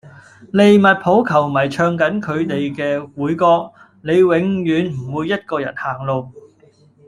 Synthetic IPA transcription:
le˨˧jmɐ˨t̚pʰo˨˥wkʰɐ˨˩wmɐ˨˩jt͡ʃʰœː˧ŋkɐ˨˥nkʰɵ˨˧ɥt̪e˨jkɛː˧wuː˨˥jkɔː˧k̚ | ne˨˧jwɪ˨˧ŋjyː˨˧nm̩˨˩wuː˨˧jːɐ˥t̚kɔː˧jɐ̰˨˩nhaː˨˩ŋlo˨˧w

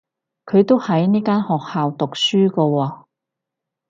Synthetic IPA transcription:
kʰɵ˨˧ɥt̪o˥whɐ˨˥jniː˥kaː˥nhɔː˨k̚haː˨wt̪ʊ˨k̚syː˥kɔ˧wɔː˧

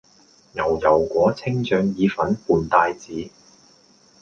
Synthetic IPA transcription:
jɐ˨˩wjɐ˨˩wkʷɔː˨˥t͡sʰɪ˥ŋt͡ʃœː˧ŋjiː˨˧fɐ˨˥npuː˨nt̪aː˧jt͡siː˨˥

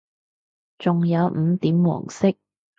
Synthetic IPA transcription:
t͡sʊ˨ŋjɐ˨˧wm̩˨˧t̪iː˨˥mwɔ̰ː˨˩ŋsɪ˥k̚

